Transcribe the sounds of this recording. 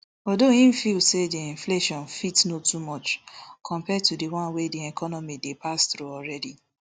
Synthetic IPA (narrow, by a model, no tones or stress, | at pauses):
ɔdoĩn̩filsediĩɱfleʃɔ̃nfitsnotumɔt͡ʃkʰɔ̃mpɛtudewãnwediɛkʰɔnɔmidepastɾuɔɹɛdi